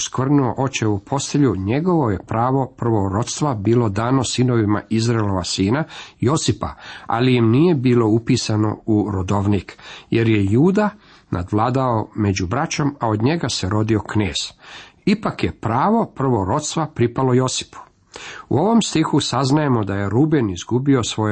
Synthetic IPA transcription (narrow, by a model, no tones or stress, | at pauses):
skʋr̩nuo̞̰ʔo̞t͡ɕeupʰo̞st̪eʎuɲe̞ɡo̞ʋo̞je̞pɾaːʋo̞pr̩ʋo̞ɾo̞t̪st̪ʋabiːlo̞d̪aːno̞sino̞ʋima̰izɾaelo̞ʋasiːnajo̞sipa̰a̰lijimnije̞biːlo̞upiːsano̞̰uɾod̪o̞ʋnikje̞ɾje̞juːd̪a | nʔa̰d̪ʋlˠaːd̪aome̞d͡ʑubɾat͡ɕo̞maod̪ɲe̞ɡaseɾo̞d̪io̞kneːz̥ipakje̞pɾaːʋo̞pr̩ʋo̞ɾo̞t̪st̪ʋapɾipalo̞jo̞si̥pu̥ | ṵo̞ʋo̞mst̪ixusaznaje̞mo̞d̪aje̞ɾubenizɡubio̞sʋo̞